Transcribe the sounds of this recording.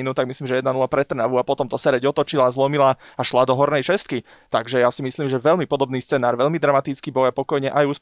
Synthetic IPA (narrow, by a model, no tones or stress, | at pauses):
inut̪aɡmisliːmʒɛjɛd̪nanulapɾɛt̪r̩naʋuapɔt̪ɔmt̪ɔsɛɾɛɟɔt̪ɔt͡ʃilazlɔmilaaʃlad̪ɔɦɔɾnɛjʃɛst̪ki | t̪aɡʒɛjasimisliːmʒɛʋɛʎmipɔd̪ɔbniːst͡sɛnaːɾʋɛʎmid̪ɾamat̪it͡skibɔjapɔkɔjɲɛʔajuːs